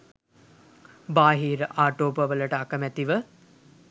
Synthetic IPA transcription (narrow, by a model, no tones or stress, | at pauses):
baːɦiːɾəʔaːʈoːpəʋələʈəakəmæt̪iʋə